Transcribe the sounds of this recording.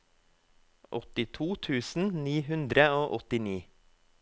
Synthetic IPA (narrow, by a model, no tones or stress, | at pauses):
ʔɔt̪ɪt̪ʰuːt̪ʰʉːsn̩niːɦʉnd̪ɾəoːʔɔt̪ɪniː